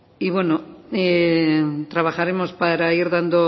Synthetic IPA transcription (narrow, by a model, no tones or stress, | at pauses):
iβwe̞noe | t̪ɾaβaxaɾemospaɾaiɾðand̪o